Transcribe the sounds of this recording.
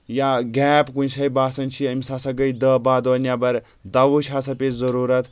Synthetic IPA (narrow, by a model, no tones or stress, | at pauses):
jaɡɛːpkunsɐjbaːsɐnt͡ʃʰiɐmʲisasɐɡəjd̪əbaːd̪oːnʲjabɐɾ | d̪ɐʋuʃʲasɐpʲezɐɾuːɾɐt̪